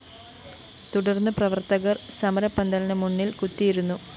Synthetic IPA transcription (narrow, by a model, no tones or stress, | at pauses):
t̪uɽɐrnːɨprɐʋɐrt̪ɐɣɐrsɐmɐɾɐpːɐnd̪ɐlɐnɐmunːilkut̪ːijiɾunːu